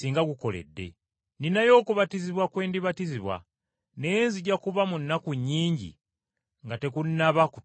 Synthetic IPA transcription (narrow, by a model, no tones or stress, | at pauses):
siːŋɡaɡuko̞le̞̰dːe̞̰ | ninajo̞ːkuβatiziβwakwe̞ːndiβatiziβwa̰ | nenziɟakuβamunːakuɲːiːɲɟḭ | ŋɡate̞kunːaβaku